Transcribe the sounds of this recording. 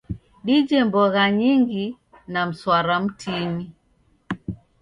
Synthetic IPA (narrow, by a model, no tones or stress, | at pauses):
ɗid͡ʒɛmbɔɣaɲiŋɡi | nam̩swaɾam̩tʰini